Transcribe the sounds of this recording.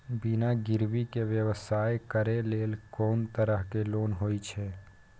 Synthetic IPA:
binaɡɪɾwikeʋjəʋəsaːekəɾeleːlkɔːnt̪əɾəɦkeloːnɦoːit͡ʃʰɛː

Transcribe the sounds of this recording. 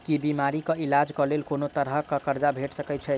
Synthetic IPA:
kibimaɾikəilad͡ʒkəlelkonot̪əɾɦəkəkəɾd͡ʒabʱeʈsəkɛt͡ʃʰɛ

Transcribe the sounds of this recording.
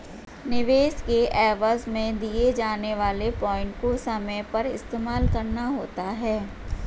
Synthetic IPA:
nɪʋeːskeʔɛːʋəzmẽd̪ied͡ʒaːneʋaːlepɔ̃ːɪ̃ɳʈkosɐməjpɐɾɪ̰st̪eːmaːlkɐɾnaɦoːt̪aɦɛː

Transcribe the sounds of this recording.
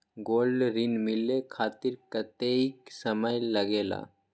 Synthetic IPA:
ɡolɖɾinmilekʰaːt̪iɾkət̪eiksəməjləɡeːla̰

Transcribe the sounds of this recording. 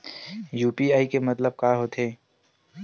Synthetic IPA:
juːpiaːikemɐt̪ləb̚kaːɦoːt̪ʰeː

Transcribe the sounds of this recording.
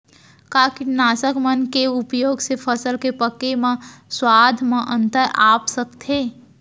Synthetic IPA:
kaːkinaːsəkmənkeʊpjoːɡsepʰəsəlkepəkːemãswaːd̪ʱmãʔə̃nt̪əɾʔaːpsəkt̪ʰe

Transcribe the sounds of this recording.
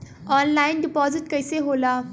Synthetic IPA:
ɔnlainɖipɔd͡ziʈkəjseɦola

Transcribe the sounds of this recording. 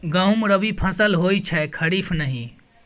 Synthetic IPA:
ɡãwmɾəbipʰəsəlɦojt͡ʃʰɛkʰəɾipʰnəɦĩ

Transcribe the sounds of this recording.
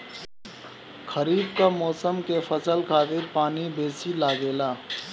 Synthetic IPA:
xəɾiːbkamɔːsəmkefɐsəlkʰaːt̪ɪɾpaːnibeːsilaːɡeːlaː

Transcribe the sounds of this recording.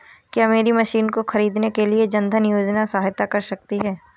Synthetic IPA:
kiɐmeːɾimɐʃiːnkoxɐɾiːd̪nekelied͡ʒɐ̃nd̪ʱənɪjoːd͡ʒnasaːɦt̪akɐɾsɐk̚t̪iɦɛː

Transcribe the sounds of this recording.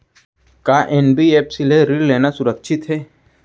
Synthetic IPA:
kaːʔenbieːpsileɾilːeːnasʊɾəkʃʰɪt̪ɦɛː

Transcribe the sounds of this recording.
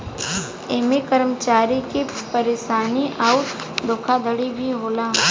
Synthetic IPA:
emekəɾmət͡ʃaːɾikepəɾeːʃaːniʔaːʊ | d̪ʊkʰad̪əɽibʱiɦoːlaː

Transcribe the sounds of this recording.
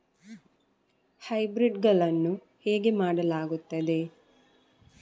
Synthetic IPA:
hɐjbɾiɖɡɐɭɐnːu | heːɡe̞maːɽɐlaːɡut̪ːɐd̪e̞

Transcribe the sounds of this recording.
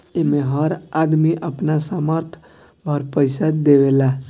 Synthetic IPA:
emeɦəɾad̪miʔəpnasaməɾt̪ʰ | bʱəɾpəɪsad̪ewela

